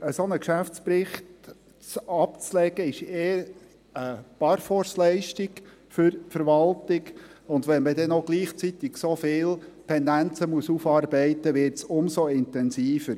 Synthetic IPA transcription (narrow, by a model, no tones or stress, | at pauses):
əsonəkʃæft͡spɾɪχt | t͡sɑpt͡slɛɡ̥əɪʃeːəɾ | əpɑɾfɔɾslɛɪʃtɪɡ | fʏɾfəɾʋɑltɪɡʊnd̪ʋɛnməd̪ɛnoɡliːχt͡sit̪ɪɡ̥sofɪːltʰɛnd̪ænt͡səmuəsufɑːrbɛɪtəʋɪɾtsʊmsoɪnt̪ɛnsiːfəɾ